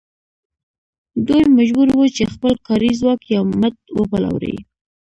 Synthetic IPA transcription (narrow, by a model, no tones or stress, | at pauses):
d̪ujmaʒbuɾwut͡ʃexpəlkɑɾizwɑkjawmət̪wəpala̰wɾḛj